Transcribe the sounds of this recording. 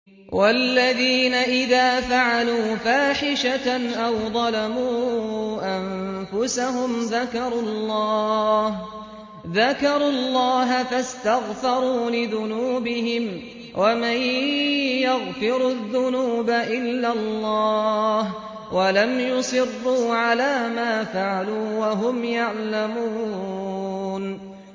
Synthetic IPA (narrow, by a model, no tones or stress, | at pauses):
walːaðiːnaʔɪðaːfaʕaluːfaːħɪʃaʔawðˤɑlamuːʔanfʊsaɦʊmðakɑɾˤʊllːɑːh | ðakɑɾuːlːɑːɦafast̪aɣfɑɾˤuːlɪðʊnuːbɪɦɪm | wʔamaj | jaɣfɪɾʊðːʊnuːbaʔɪlːalˤːɑːh | walamjʊsˤɨrːuːʕalaːmaːfaʕaluːwaɦʊmjaʕlamuː | n